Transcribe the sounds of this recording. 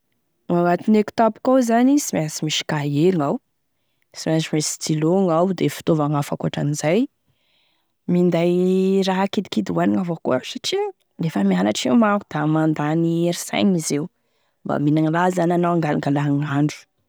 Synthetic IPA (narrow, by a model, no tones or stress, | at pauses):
awat̪ineku̥t̪apu̥kawzanisimasimiʃi̥kaeliŋaw | simasimesid͡ziloŋawd̪efi̥t̪ovaŋafakuaʈ͡ʂanizaj | mind̪ajɾaɦakid̪i̥kid̪waniŋavokua̰saʈ͡ʂi | lefəmianaʈ͡ʂewmaɦud̪̥amand̪anieɾisa̰jɲizew | mba̰minaŋilazananawaŋɡalaŋɡalaɦŋaɳɖ͡ʐu̥